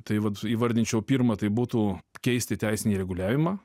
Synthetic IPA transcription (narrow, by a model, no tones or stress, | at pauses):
t̪ɐɪʋɐt̪iːʋɐd̪ʲɪnʲt͡ʃʲɛʊpʲiːɾmɐt̪ɐɪbuːt̪ukʲɛɪsʲt̪ʲɪt̪ʲɛɪsʲɪnʲiːɾʲɛɡʊlʲæːʋʲɪmɑː